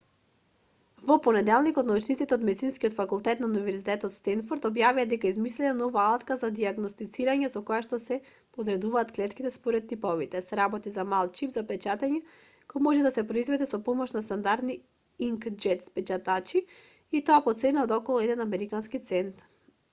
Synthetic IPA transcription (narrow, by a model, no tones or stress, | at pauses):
vɔponɛd̪ɛlˠnikɔt̪naut͡ʃnit̪it̪ɛod̪mɛd̪itsinskiot̪fakulˠt̪ɛt̪naunivɛɾzit̪ɛt̪ɔt̪st̪ɛnfɔɾt̪ɔbjaviad̪ɛkaizmislɛnɛnɔvaalˠt̪kazad̪iaɡnost̪it̪siɾaɲɛsɔkojaʃt̪ɔsɛ | pod̪ɾɛd̪uvaːt̪klɛt̪kit̪ɛspɔɾɛt̪ːipɔvit̪ɛsɾabɔt̪izamalˠt͡ʃipzapɛt͡ʃat̪ɛɲɛ | kojmɔʒɛd̪asɛpɾoizvɛd̪ɛsɔpɔmɔʃnast̪and̪aɾd̪ni | iŋkd͡ʒɛt̪spɛt͡ʃat̪at͡ʃiː | t̪ɔapɔt̪sɛnaɔd̪ɔkɔlˠuɛd̪ɛnamɛɾikanskit̪sɛnt̪